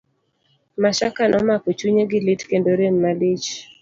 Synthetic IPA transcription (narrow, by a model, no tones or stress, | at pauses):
maʃakanɔmakɔt͡ʃuɲeɡɪlitkendoɾenmalit͡ʃ